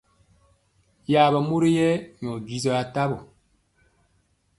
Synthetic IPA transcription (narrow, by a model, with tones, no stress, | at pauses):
ja˨bə˨mo˦ɾi˦jɛ˦ɲ˨ɔ˨ɡi˨zɔ˨a˨ta˦bɔ˨